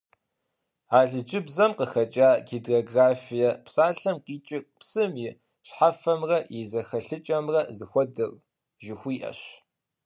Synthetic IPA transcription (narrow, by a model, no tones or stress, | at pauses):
aːɮɨd͡ʒʼɪbzɐmqəxɐt͡ʃʼaːɡedoːɡraːfijɐpsaːɬɐmqiːt͡ʃʼɪkpsɨmɪ | ɕħafɐmrɐjɪzɐxɐɬɨt͡ʃʼɐmrɐzɨxʷɔdɨr | ʒɪxʷiːʔɐ̰ɕ